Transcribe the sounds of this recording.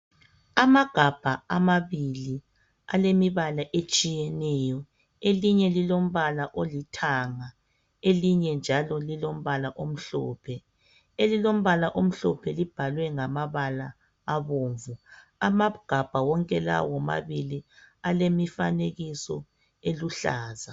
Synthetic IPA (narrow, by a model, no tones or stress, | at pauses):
amaɡ̥ʱab̥ʱaamaβili | a̰lemiβalaʔet͡ʃʼijɛnɛjɔ | eliɲɛlilom̩βalaʔolitʰaŋa | eliɲɛnd͡ʒʱalɔlilom̩βalaʔom̩ɬɔ̰ːpʰɛ | elilom̩βalaʔom̩ɬɔpʰɛlib̥ʱalwɛŋamaβalaː | βoːɱvuamaɡ̥ʱab̥ʱawɔŋkʼɛla̰wɔma̰βilialemifaneɣisɔ̰ | eluɬaːza